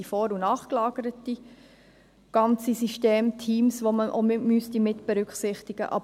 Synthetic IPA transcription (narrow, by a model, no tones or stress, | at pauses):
ifɔːɾunɑːχklɑːɡ̥əɾəti | ɡ̥ɑnt͡sisiʃteːmtʰiːmsʋoməʔo̰mɪmystimɪtb̥eɾʏkχsɪχtiɡ̥ə̰ʔɑ̰b